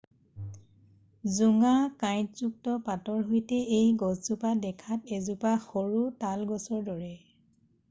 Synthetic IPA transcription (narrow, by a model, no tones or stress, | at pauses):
zuŋakajtzuk̚tɔpatɔɹɦojtɛejɡɔszupadɛkʰatezupaxoɹutalɡɔsɔɹdɔɹɛ